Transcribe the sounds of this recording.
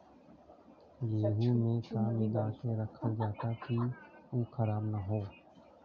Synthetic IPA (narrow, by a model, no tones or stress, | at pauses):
jeːɦũmẽkaːmɪd̪aːkeɾɐkʰad͡ʒaːt̪akiuːxʰɐɾaːbnaɦoː